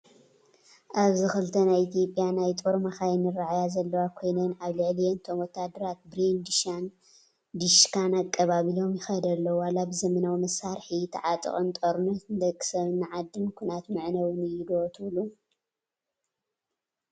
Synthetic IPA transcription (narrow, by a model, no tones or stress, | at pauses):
ʔaβzɨxɨlt̪ʰɐnajit̪ʰijo̞pʼjanajt̪ʼoɾmaxajɛnɨraʕajazɐlːɐwakʰo̞jnɐnaβlɨʕlijɛnt̪ʰomwɔt̪ʰːad̪ɐɾat̪̚bɾind̪iʃan | d̪iʃkʰanakʼːɐβaβilo̞mjɪxɐd̪ɐlːɐwwalabɨzɐmɐnawmɐsaɾħit̪ʰɐ̰ʕat̪ʼɨ̰χʼɐnt̪ʼoɾnɐt̪ɨnd̪ɐkʼːɨ̥sɐβɨnːɨʕad̪ːɨnkʷʰunat̪mɨʕnɐwnɨjɪɡot̪ʰɨβlu